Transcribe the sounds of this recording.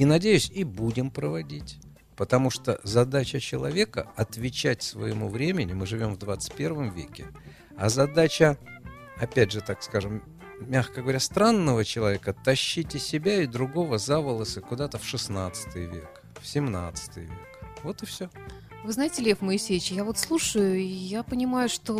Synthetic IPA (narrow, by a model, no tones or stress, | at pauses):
inɐdʲejʉsʲibudʲɪmpɾəvɐdʲitʲ | pət̪ɐmuʂt̪ozɐd̪at͡ɕət͡ɕɪlˠɐ̰vʲe̞kə̰ɐt̪vʲɪt͡ɕæt̚ʲsvə̰jɪmuvɾʲemʲɪnʲɪmɨʐɨvʲo̞mvd̪vat̪sɨ̥t̚ʲpʲe̞rvəmvʲḛkʲɪ | ɐzɐd̪at͡ɕə | ɐpʲædʲʐɨt̪akskaʐɨm | mʲaxkəɡəvɐɾʲast̪ɾanːəvət͡ɕɪlˠɐvʲe̞kət̪ɐɕːitʲɪsʲɪbʲaɪd̪ɾʊɡo̞vəzavəlˠəsɨkʊd̪at̪əfʂɨsnat̪sɨ̥t̪ɨjvʲe̞̰k | fsʲɪmnat̪sɨ̥t̪ɨjvʲe̞kvo̞t̪ɨfsʲo | vɨznajɪtʲɪlʲefməɪsʲejʲɪt͡ɕjavot̪slˠuʂəjʊjapənʲɪmajʊʂt̪o